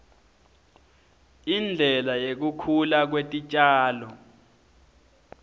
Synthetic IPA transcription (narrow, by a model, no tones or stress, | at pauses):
ind͡ɮʱɛlajek̬ukʰulak̬wetʼit͡ʃʼaːlɔ